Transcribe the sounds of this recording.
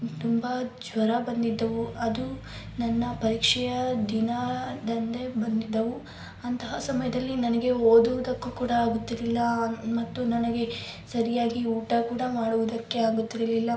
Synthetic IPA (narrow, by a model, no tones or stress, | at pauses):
t̪umbɐd͡ʒʋɐɾɐbɐnd̪id̪ːɐʋuɐd̪u | nɐnːɐpɐɾiːkʂɛjɐd̪inɐd̪ɐnd̪e̞bɐnd̪id̪ːɐʋu | ɐnt̪ɐɦɐsɐmɐjɐd̪ɐlːinɐnɐɡe̞oːd̪uʋud̪ɐkːukuːɽɐaːɡut̪ːiɾlilːɐmɐt̪ːunɐnɐɡe̞sɐɾijaːɡiuːʈɐkuːɽɐmaːɽuʋud̪ɐkːe̞aːɡut̪ːiɾɐlilːɐ